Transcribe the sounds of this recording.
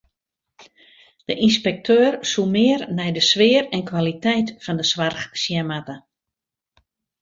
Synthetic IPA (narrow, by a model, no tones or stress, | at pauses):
d̥əʔinspɛk̚tʰøːrsumɪərnɛjdəsʋɪərɛnkwalitɛjtfɔndəsʋarxsjɛmatə